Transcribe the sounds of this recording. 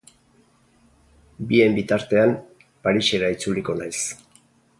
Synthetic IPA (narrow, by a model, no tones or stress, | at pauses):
bie̞mbit̪aɾt̪e̞am | paɾise̞ɾait͡suliko̞najs